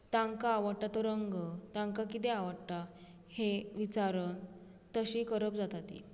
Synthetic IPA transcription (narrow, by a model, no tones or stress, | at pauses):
t̪ãŋkaːʋəɽʈat̪əɾəŋɡət̪ãŋkakit̪eaʋəɽʈa | heʋit͡saɾən | t̪əɕikəɾəp̚d͡zat̪at̪ḭ